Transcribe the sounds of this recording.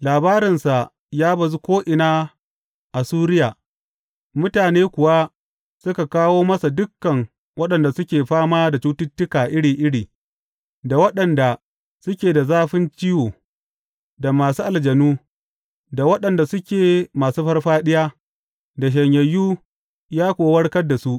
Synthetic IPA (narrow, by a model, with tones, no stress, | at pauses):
laː˨baː˦ɾɪ˨nsa˨ʔ | jaː˦bɐ˨zu˦kʷoː˦ʔɪ˨naː˦ | ʔa˨suː˦ɾɪ˦jaː˨ | mʊ˦taː˨neː˦kʷʊ˨wa˦ | sʊ˦ka˨kaː˦woː˦mɐ˦sa˨dʊ˦kːɐ˨ŋ | wɐ˦ɗɐ˨nda˨sʊ˦kʲeː˨ɸaː˦maː˦da˨t͡ʃuː˦tɪ˦tːɪ˦kaː˨ʔɪ˦ɽiː˨ʔɪ˦ɽiː˨ | da˨wɐ˦ɗɐ˨nda˨ | sʊ˦kʲeː˨da˨zaː˦ɸɪ˦nt͡ʃɪ˦joː˨ | da˨maː˨suː˦ʔa˨ld͡ʒɐ˨nuː˦ | da˨wɐ˦ɗɐ˨nda˨sʊ˦kʲeː˨maː˨suː˦ɸɐ˦rɸaː˦ɗɪ˦jaː˦ | da˨ʃ̬ɐ˨ɲjɐ˨jːuː˦ | jaː˦kʷoː˨wɐ˦ɽkɐ˦rda˨su˦ʔ